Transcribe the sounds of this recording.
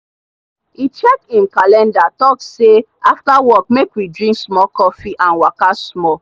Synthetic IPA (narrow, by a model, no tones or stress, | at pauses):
it͡ʃɛkĩmkalɛ̃ndatɔkse | aftawɔk̚mekwidɹĩŋksmɔkɔfiʔãnwakasmɔ